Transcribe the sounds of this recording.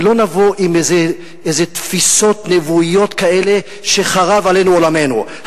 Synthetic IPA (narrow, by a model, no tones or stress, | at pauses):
lo̞navoʔimeze | ezet̪fiso̞t̪nevuijo̞t̪kae̞le | ʃeχaʁavale̞nuolame̞nu